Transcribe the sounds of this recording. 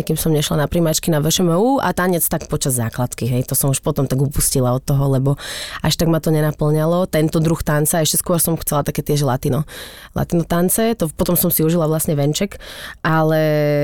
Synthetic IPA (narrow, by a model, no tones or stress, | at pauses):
ɛkimsɔmɲɛʃlanapɾimat͡ʃkinaʋɛʃɛmɛuːʔa̰t̪aɲɛt͡st̪akpɔt͡ʃazːa̰ːklat̪kiɦɛjt̪ɔsɔmuʃpɔt̪ɔmt̪aɡupuscilaɔt̪ːɔɦɔlɛbɔaʃt̪aɡmat̪ɔɲɛnapl̩ɲalɔt̪ɛnt̪ɔd̪ɾuxt̪ant͡saɛʃcɛskʊɔɾsɔmxt͡sɛlat̪akɛːt̪ɪɛʒlat̪inɔ | la̰t̪inɔt̪ant͡sɛt̪ɔpɔt̪ɔmsɔmsiuʒilaʋlasɲɛʋɛnt͡ʃɛkʔalɛ